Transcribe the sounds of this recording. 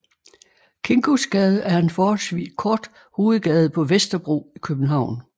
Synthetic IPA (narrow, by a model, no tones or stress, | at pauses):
kʰe̝ŋɡ̥o̝sɡ̥ɛːð̞ˠəʔæɐe̝nfɒːhɒ̽lsʋḭːskʰɒːd̥ | ho̝ːð̞̩ˠɡ̥ɛːð̞̩ˠpʰɒ̽ʋesd̥ɐb̥ʁo̝̰ːikʰøb̥̚n̩ɦɑ̈ʊ̰n